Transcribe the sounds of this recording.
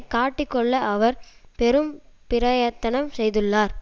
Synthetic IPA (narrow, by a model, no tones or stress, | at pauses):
kaːʈːɪkːɔɭːɐʔɐʋɐɾpɛɾɯmpɪɾɐjɐt̪ːɐnɐmsɛjðɯɭːaːɾ